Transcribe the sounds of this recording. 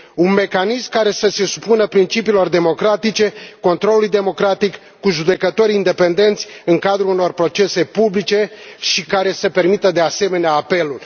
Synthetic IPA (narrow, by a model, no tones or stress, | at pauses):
unme̞kanismkaɾe̞səse̞su̥punəpɾint͡ʃipiːlo̞rd̪e̞mo̞kɾat̪it͡ʃe̞ko̞nt̪ɾo̞lːlujd̪e̞mo̞kɾat̪ikːuʒud̪e̞kət̪o̞ɾʲind̪e̞pe̞nd̪e̞nt̪sʲɨŋkad̪ɾuuno̞rpɾo̞t͡ʃe̞se̞publit͡ʃe̞ʃikaɾe̞səpe̞rmit̪əd̪e̞ase̞me̞neaːpe̞lul